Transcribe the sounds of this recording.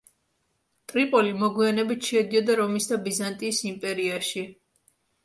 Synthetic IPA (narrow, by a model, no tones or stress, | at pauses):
t̪ʼɾipʼɔlimɔɡwianɛbit̪ʰʃɛd̪iɔd̪aɾɔmisd̪abizant̪ʼiːsimpʼɛɾiaʃi